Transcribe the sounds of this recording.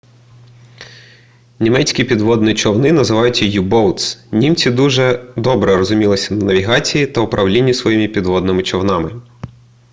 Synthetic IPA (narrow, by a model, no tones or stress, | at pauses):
nʲimɛt͡sʲkʲipʲid̪ʋɔd̪nit͡ʃɔwnɪnɐzɪʋɑjʊtʲjijibɔwt̪snʲimt͡sʲid̪uʒɛd̪ɔbɾɛɾɔzʊmʲilˠɪsʲɐnɐnɐʋʲiɦɑt͡sʲijit̪ɐʊpɾʔɐwlʲinʲːisʋɔjimʲipʲid̪ʋɔd̪nɪmɪt͡ʃɔwnɑmɪ